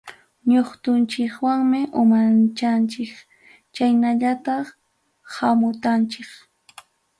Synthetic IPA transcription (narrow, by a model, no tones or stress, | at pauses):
ɲoχt̪ʊnt͡ʃɪkwaŋmɪʔʊmant͡ʃant͡ʃɪk | t͡ʃajnaʎat̪ɑχ | hamʊt̪ant͡ʃɪk